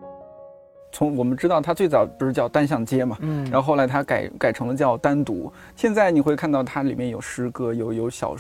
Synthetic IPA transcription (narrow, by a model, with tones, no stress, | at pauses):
t͡sʰʊ˧˥ŋwɔ˨˩mə˦nʈ͡ʂɻ̩˥t̪ɑ˥˩ʊt̪ʰa˥t͡swe˥˩ɪt͡sɑ˨˩ʊpu˧˩ʂɻ̩˥˧t͡ɕjɑ˥˩ʊt̪a˥nɕ̬jɑ˥˩ŋt͡ɕjɛ˥mɐ˩ɻa˨˧˥xo˥˩ʊla˧˥ɪt̪ʰa˥ka˨˩ɪka˨˩ɪʈ͡ʂʰɤ˧˥ŋlə˧t͡ɕjɑ˥˩˧ʊt̪a˥nt̪ṵ˧˥ | ɕjɛ˥˧nt͡sa˥˩ɪni˨˩xwe˥˧ɪkʰa˥˧nt̪ɑ˥˩ʊt̪ʰa˥li˨˩mjɛ˥˩njo˨˩ʊʂɻ̩˥kɤ˥jo˧˥ʊjo˧˥ʊɕjɑ̰˨˩ʊ